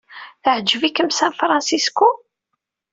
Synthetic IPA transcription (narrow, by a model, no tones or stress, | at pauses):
θəʕəd͡ʒːvikəmsænfɾˤɑ̃nsisku